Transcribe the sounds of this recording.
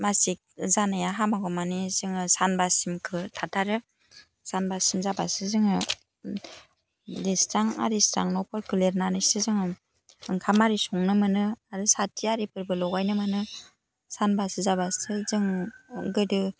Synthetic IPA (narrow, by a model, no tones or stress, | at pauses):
masik̚zanajaɦamaɡɔmanizɯŋɯsanbasimkʰɯtʰatʰaɾɯ | sanbasimzabasɯzɯŋɯ | listaŋa̰ɾista̰ŋnɔpʰɔɾkuleɾnanɯsɯzɯŋɯ | ɯŋkʰamaɾisɔŋnɯmɯnɯaɾɯsatʰiaɾipʰɯɾbɯlɔɡajnɯmɯnɯ | sanbasɯzabasɯzɯŋɡɯdɯ